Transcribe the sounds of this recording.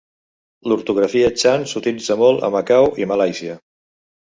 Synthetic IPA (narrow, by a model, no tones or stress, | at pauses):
luɾt̪uɣɾəfiət͡ʃansut̪ilid͡zəmolˠə̰məkawiməlajsiə